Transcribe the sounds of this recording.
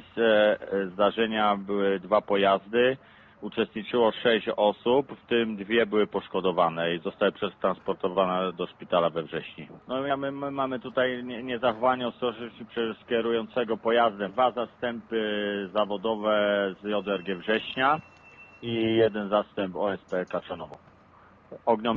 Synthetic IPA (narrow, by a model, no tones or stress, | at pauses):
sɛzd̪aʐɛɲabɘwɘd̪vapɔjazd̪ɘ | ut͡ʂɛst̪̚ɲit͡ʂɘwɔʂɛɕt͡ɕɔsupft̪ɘmd̪vʲjɛbɘwɘpɔʂkɔd̪ɔvanɛizɔst̪awɘpʂɛst̪ɾanspɔɾt̪ɔvanɛd̪ɔʂpʲit̪alavɛvʐɛɕɲinɔjɛmɘmɘmamɘt̪ut̪ajɛɲɛzaxɔvaɲɛɔst̪ɔʐpʂɛskʲɛɾujɔnt̪sɛɡɔpɔjazd̪ɛd̪vazast̪ɛmpɘzavɔd̪ɔvɛzjɔd̪ɛɾɡʲɛvʐɛɕɲa | ijɛd̪ɛnzast̪ɛmpɔɛspɛkat͡ʂanɔvɔ̃ | ɔɡɲɔm